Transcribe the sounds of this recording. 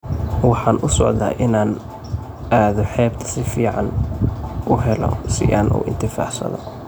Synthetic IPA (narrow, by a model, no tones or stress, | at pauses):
wɑħɑːnʔʊsɔʕða̰ːʔɪnaːn | ʔaːðɔħɛːbt̪ʰɐ̥sɪfiːʕɑ̰n | ʔʊɦɛlɔ̰sɪʔaːnʔṵːʔɪ̰nt̪ʰɪfa̰ːħsɐ̰ðɔ